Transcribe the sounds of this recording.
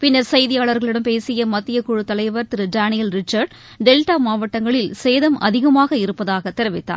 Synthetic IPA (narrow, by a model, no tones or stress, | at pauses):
pɪnːɐɾsɐjðɪjaːɭɐɾɣɐɭɪɽɐmpeːsɪjɐmɐt̪ːɪjɐkʊɻɯt̪ːɐlɐɪʋɐɾt̪ɪɾɯɖaːnɪjɐlɾɪt͡ʃːɐɾɖ | ɖɛlʈaːmaːʋɐʈːɐŋɡɐɭɪlseːðɐmʔɐ̰ðɪɣɐmaːɣɐɪɾɯpːɐðaːɣɐt̪ːɛɾɪʋɪt̪ːa̰ː